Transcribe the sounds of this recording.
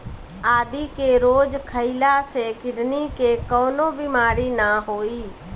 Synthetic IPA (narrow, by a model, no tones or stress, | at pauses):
aːd̪iːkeːɾoːd͡ʒkʰəilaːseːkɪɖniːkeːkoːnõːbimaːɾiːnaːɦoːiː